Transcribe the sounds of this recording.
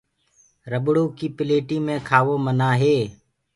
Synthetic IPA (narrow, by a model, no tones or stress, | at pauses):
ɾəɓɽuːkiːpɪleːʈiːmẽːkʰaːʋoːmənaːɦeː